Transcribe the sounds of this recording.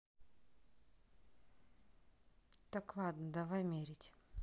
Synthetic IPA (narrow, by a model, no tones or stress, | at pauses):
t̪aklˠad̪nəd̪ɐvajmʲeɾʲɪtʲ